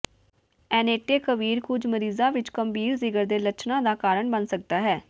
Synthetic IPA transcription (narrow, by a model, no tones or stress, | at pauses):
ɛːneːʈeːkəʋiːɾkʊd͡ʒməɾiːzãːʋɪt͡ʃkəmbiːɾzɪɡəɾd̪eːlət͡ʃnãːd̪aːkaːɾəɳbənsək̚d̪aːɦɛː